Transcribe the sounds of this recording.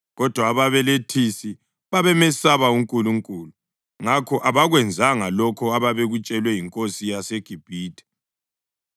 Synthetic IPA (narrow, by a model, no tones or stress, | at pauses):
ɣɔd̥ʱwaːβaβɛletʰisi | βaβɛmɛsaβauŋkʼuluŋkʼuːlu | ŋakʰɔʔaβaɣwɛnd͡zʱaŋalɔkʰɔaβaβeɣut͡ʃʼɛlwɛjiŋkʼosijaseɡ̥ʱib̥ʱiːtʼɛ̥